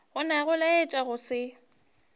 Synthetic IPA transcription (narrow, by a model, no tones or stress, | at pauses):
ɣʊnaɣʊlaɪt͡ʃʼaɣʊsɪ